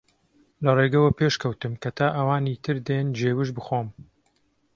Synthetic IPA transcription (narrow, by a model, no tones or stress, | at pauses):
lɐreːɡɐwɐpeːʃkɐwt̪ɨmkʰɐt̪ʰaːʔɐwaːnit̪ʰɨɾd̪end͡ʒeːwɨʒbɨxoːm